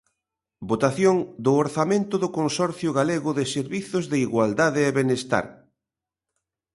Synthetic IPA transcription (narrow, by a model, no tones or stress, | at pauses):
bot̪aθjoŋd̪ʊoɾθamẽnt̪ʊðʊkonsɔɾθjʊɣaleɣʊðɪseɾβiθʊzðɪiɣwald̪aðɪeβenest̪a̰ɾ